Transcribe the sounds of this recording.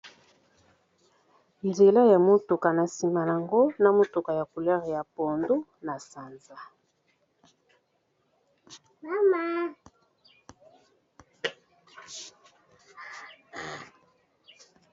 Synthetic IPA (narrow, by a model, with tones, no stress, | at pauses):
nze˨la˦ja˨mo˦tu˨ka˨na˨si˨ma˨na˨ŋɡo˦na˦mo˦tu˨ka˨ja˨ku˨lɛ˦ʁja˨po˨ndu˦na˨sa˨nza˨ | ma˦ma˦